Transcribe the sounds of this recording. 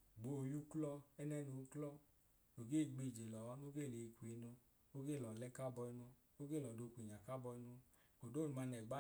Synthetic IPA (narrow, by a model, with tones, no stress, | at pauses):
ɡ͡bo˨ju˦klɔ˦ɛ˦nɛ˦nu˨˦klɔ˦ | no˨ɡe˦˨ɡ͡bi˧˨d͡ʒe˨lɔ˨wa˨˦no˦ɡe˦˨le˨i˧˨kʷi˨˦no˧ | o˦ɡe˦˨lɔ˨lɛ˦ka˦bɔ˧i˧˦no˧ | o˦ɡe˦˨lɔ˨do˧˨kʷi˨ɲa˨ka˦bɔ˧i˧˦no˧ | ko˨do˦˨nu˨ma˧nɛ˨ɡ͡ba˦